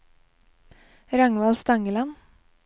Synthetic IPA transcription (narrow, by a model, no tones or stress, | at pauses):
ɾɑŋʋɑlst̪ɑŋəlɑn